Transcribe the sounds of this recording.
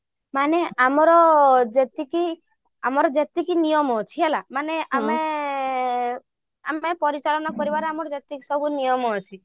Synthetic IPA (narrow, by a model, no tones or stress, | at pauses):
maneʔamɔɾɔd͡ʒet̪iki | amɔɾɔd͡ʒet̪ikinijɔmɔt͡ʃʰiɦelamaneame | amepɔɾit͡ʃalɔnakɔɾibaɾamɔɾɔd͡ʒet̪ikisɔbʱunijɔmɔːt͡ʃʰi